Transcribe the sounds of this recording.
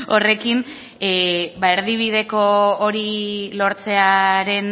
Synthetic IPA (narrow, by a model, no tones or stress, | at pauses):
ore̞kin | bae̞ɾðiβið̞e̞ko̞ːɾilo̞ɾt͡se̞aɾe̞n